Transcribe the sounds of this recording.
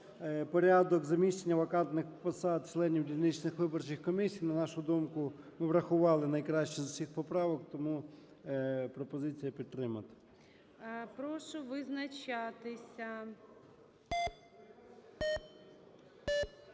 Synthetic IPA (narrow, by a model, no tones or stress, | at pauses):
pɔɾʲad̪ɔkzɐmʲiʃt͡ʃenʲːɐʋɐkɑnt̪nɪxpɐsɑd̪̚t͡ʃlˠɛnʲːiwdʲilʲnɪt͡ʃnɪxʋɪbɔrt͡ʃɪxkɔmʲisʲijnɐnɑʃʊd̪umkʊ | mɪʋɾɐxʊʋɑlˠɪnɐjkɾɑʃt͡ʃɛzʊsʲixpɔpɾɑʋɔkt̪ɔmu | pɾɔpɔzɪt͡sʲijɐpʲid̪t̪̚t̪ːɾɪmɐt̪ɐ̥ | pɾɔʃɔʋɪznɐt͡ʃat̪ɪsʲɐ